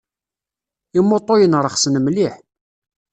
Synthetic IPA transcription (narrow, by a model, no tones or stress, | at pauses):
ɪmːot̪ˤːojənɾˤəχsənəmliħ